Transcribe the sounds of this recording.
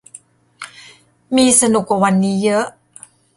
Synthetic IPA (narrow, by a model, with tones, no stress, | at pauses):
miː˧sa˧nu˨˩k̚wa˨˩wa˧˥nːiː˦˥jɤ˦˥ʔ